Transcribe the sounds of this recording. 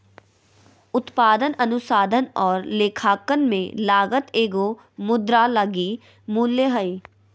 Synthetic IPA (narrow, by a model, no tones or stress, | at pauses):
ʊt̪paːd̪ənɐnʊsaːd̪ʱənɔːɾleːkʰaːkənmẽlaːɡət̪eːɡo | mʊd̪ɾaləɡi | muːljəɦəi